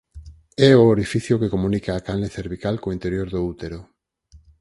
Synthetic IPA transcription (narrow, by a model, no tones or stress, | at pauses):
ɛooɾifiθjokekomũnikaːkalneθeɾβikalkoint̪eɾjoɾðout̪eɾo